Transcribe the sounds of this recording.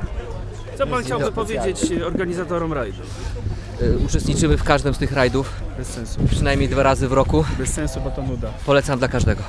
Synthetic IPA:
t̪sɔpanxt͡ɕt͡ɕawbɘpɔvʲjed͡ʑet͡ɕɔɾɡaɲizat̪ɔɾɔmɾajd̪u | ut͡ʂɛst̪ɲit͡ʂɘmɘfkaʐd̪ɛmst̪ɘxɾajd̪ufbɛsːɛ̃nsupʂɨnajmʲɲejd̪vaɾazɘvɾɔkubɛsːɛ̃ñsubɔt̪ɔnud̪apɔlɛt̪samd̪lakaʐd̪ɛɡɔ

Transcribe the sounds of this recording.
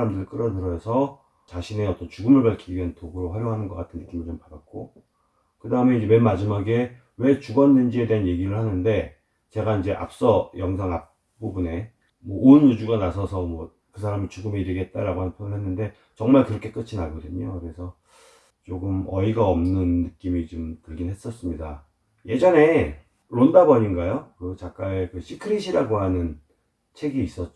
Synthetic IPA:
aɾamdɯɾik͈ɯɾʌdɯɾʌsʰʌ | t͡ɕaɕʰine̞ʌt͈ʌnt͡ɕuɡɯmɯɭpaɭkʰiɡʌntoɡɯɾoɸwaɾjoŋɦanɯnɡʌk͈atʰɯnːɯk͈imiɭt͡ɕompadak̚k͈o | kɯdaɦɯme̞ind͡ʑe̞we̞mad͡ʑimaɡe̞ | we̞t͡ɕuɡʌnːend͡ʑie̞de̞ɦanje̞ɡiɾɯɭhanɯnde̞ | t͡ɕe̞ɡaind͡ʑe̞ʔa̰p̚s͈ʌjʌŋs̬ʰaŋap̚ | p͈ubune̞ | mwʌʔonjud͡ʑuɡanasʰʌsʰʌmwʌ | kɯsʰaɾamit͡ɕuɡɯmeiɾiɡe̞t̚t͈aɾaɡoɦanɯnpʰjoɭɦenːɯnde̞ | t͡ɕʌŋmaɭkɯɾʌkʰe̞k͈ɯt͡ɕʰinaɡʌdɯɲokɯɾe̞sʰʌ | t͡ɕ͈oɡɯmʌiɡaʌmnɯnːɯk͈imit͡ɕomtɯɭɡinɦe̞s͈ʌs͈ɯmɲida | je̞d͡ʑʌne̞ | ɾondabʌɲiŋɡajokɯt͡ɕak̚k͈aekɯɕʰikʰɯɾiɕʰiɾaɡoɦanɯn | t͡ɕʰe̞ɡiːs͈ʌt̚t͡ɕ

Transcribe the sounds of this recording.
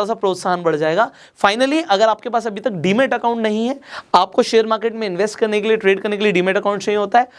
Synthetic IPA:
as̬apɾoːt̪saɦənbɐɽ̤d͡ʒaːeːɡaː | faːɪnəliʔɐɡəɾaːp̚kepaːs̬ɐbʱit̪ɐkɖiːmeːʈɐkaʊ̃ɳʈnɐɦĩɦɛaːp̚koʃeːəɾmaːɾkeʈmẽɪ̃nʋesʈkɐɾnek̬elieʈɾeːɖkɐɾnekelieɖiːmeʈɐkãʊ̃ɳʈsnɐɦĩɦoːt̪aɦɛː

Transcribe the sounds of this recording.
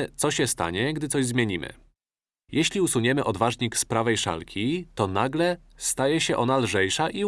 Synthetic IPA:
t̪sɔɕɛst̪a̰ɲɛɡd̪ɘt̪sɔʑzmʲjeɲimɘ̰ | jɛɕlʲiusuɲɛmɘʔɔd̪vaʐɲikspɾavɛjʂa̰lkʲʰit̪ɔnaɡlɛ | st̪ajɛɕɛʔɔnalʐɛjʂaʔi

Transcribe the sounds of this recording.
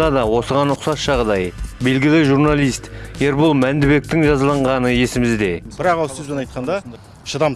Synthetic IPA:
ɑd̪ɑwo̞səʁɑnːʊqsɑsʒ̥ɑʁd̪ɑjbe̞lɡʲɪlɪʒuɾnalˠijst̪e̞ɾbulˠmænd̪ɪbe̞k̚t̪ɪŋʒɑzəlˠɑɴʁɑnəje̞sɪmɪzd̪e̞b̥ɪɾɑqɑlˠsɵzbenɑjt̪qɑnd̪ɑ | ʃəd̪ɑm

